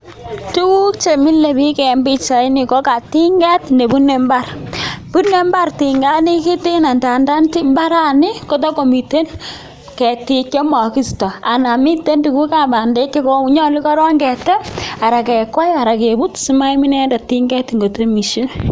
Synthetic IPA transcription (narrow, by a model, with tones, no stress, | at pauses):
tu˦ku˦kt͡ʃe˨mi˦lːe˨bi˦kɛ˨mbi˦t͡ʃa˨i˦ni˨ko˦ka˨ti˦ŋɡɛ˦tne˨bu˦ne˨mba˦rpu˦ne˦mba˦rti˨ŋɡa˦ni˦ki˦ti˦na˨nda˨nda˦nti˦mba˦ɾa˦ni˦ko˦t̬ɔ˦ko˨mi˨te˦n | kɛ˨ti˨kjɔ˦mɔ˨ki˦stɔ˨a˨na˨mi˦tːe˦ntu˨ku˦ka˨ba˨nde˦kːi˦ko˦u˦ɲɔ˦li˦kɔ˦ɾɔ˦ŋɡɛ˨tɛ˦a˨ɾa˨kɛ˨kɔ˦ja˨ɾa˨ke˨bu˦tsi˦ma˦i˦mi˦nɛ˦nda˨ti˦ŋɡɛ˦tŋɡo˨te˦mi˨ʃe˦